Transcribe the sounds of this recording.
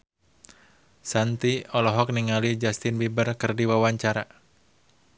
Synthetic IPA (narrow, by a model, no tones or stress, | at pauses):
sant̪iɔlɔɦɔk̚niŋalid͡ʒast̪ɪnbibərkɨrdiwawaɲt͡ʃaɾa